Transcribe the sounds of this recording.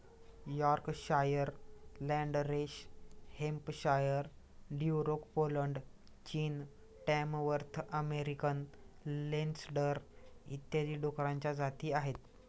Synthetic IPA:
jɔɾkɕajəɾlɛ̃ɳɖɾeɕhempɕajəɾ | ɖuɾokpoləɳɖt͡ɕiːn | ʈɛ̃mʋəɾt̪ʰəmeɾikənlensɖəɾḭt̪ːjaliːɖokɾãɲt͡ɕjad͡zat̪iːaɦet̪

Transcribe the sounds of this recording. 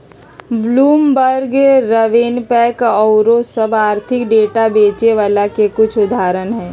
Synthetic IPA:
bluːmbəɾɡɾəʋeːnpɛːkɔːɾosɐbaːɾt̪ʰɪkɖeːʈabeːt͡ʃeʋaːlakekʊt͡ʃʰʊd̪ʱaːɾənɦɛ̃ː

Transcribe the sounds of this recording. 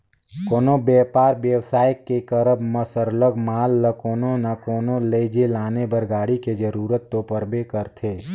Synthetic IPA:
koːnobjɛːpaːɾʋjəwsaːjəkːekəɾəbməsəɾləɡmaːlːəkoːnonəkoːnoleːd͡ʒelaːnebəɾɡaːɽiked͡ʒəɾuːɾət̪ːopəɾbekəɾt̪ʰeː

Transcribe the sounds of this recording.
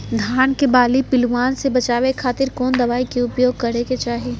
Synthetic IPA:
d̪ʱaːnkebaːlipɪlʋaːnsebɐt͡ʃaːʋekʰaːt̪ɪɾkɔːnd̪ɐʋaːikeʊpjoːɡ̚kɐɾeket͡ʃaːɦeː

